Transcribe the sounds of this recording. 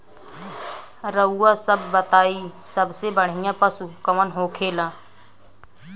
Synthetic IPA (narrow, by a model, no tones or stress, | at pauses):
ɾəuːasəbːət̪aːisəbsebəɽ̤ɪjãpəsukəmənɦoːkʰeːlãː